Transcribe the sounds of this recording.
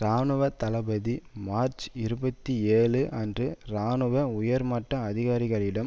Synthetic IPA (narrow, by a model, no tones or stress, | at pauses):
ɾaːnɯʋɐt̪ɐlɐbɐðimaːɾt͡ʃɪɾɯbɐt̪ːieːɭɯʔɐndrɯɾaːnɯʋɐʊjɐɾmɐʈːɐːðɪɣaːɾɪɣɐɭɪɽɐm